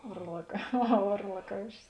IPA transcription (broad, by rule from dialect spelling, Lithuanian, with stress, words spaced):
ʋɐrlˠɐk ɐˈɣɐ ˌʋɐrlˠɐˈkɐʊʃʲɪs